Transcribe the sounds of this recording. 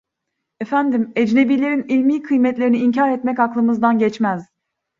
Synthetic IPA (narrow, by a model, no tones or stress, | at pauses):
efænd̪imed͡ʒne̞biːlʲe̞ɾinilʲmiːkʰɯjmɛt̪lʲe̞ɾiniiɲcʰaɾɛt̪mɛcaklˠɯmɯzd̪anɟɛt͡ʃmæz̥